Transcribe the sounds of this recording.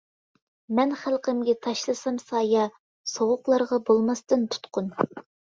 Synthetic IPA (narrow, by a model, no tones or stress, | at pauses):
mɛnχælˠqəmɡʲɛt̪ʰɑʃlˠɨsɑmsɑːjɑ | soʁʊqlˠɑɾʁɑbolˠmɑst̪ɨnt̪ʰu̥t̪qʊn